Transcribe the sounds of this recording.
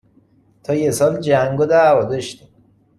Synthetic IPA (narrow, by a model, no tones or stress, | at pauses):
t̪ʰɒːjesɒːld͡ʒæŋɡod̪ævɒd̪ɒʃt̪im